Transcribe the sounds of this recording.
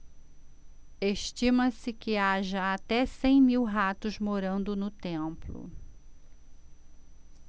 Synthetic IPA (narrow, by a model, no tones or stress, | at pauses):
eʃt͡ʃĩmɐsɪkɪaʒɐat̪ɛsẽj̃miwɦat̪ʊzmoɾɐ̃nd̪ʊnʊt̪ẽplʊ̰